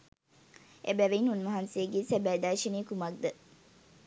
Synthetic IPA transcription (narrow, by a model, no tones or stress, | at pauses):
ʔḛbæʋeinunmɐɦansejeɡeːsæbæːd̪æːʃineːkumɐk̚d̪ə